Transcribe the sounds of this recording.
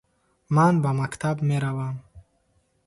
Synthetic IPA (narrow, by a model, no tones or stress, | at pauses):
manbamakt̪ʰabmeɾavam